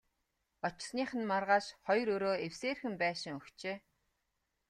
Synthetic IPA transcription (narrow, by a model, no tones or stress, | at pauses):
ɔt͡ɕɪ̆sniːχə̆nmarʁaːʃχɔjɾɵɾoːewseːrxɘ̆mpæːʃɪ̆ŋɵkt͡ɕeː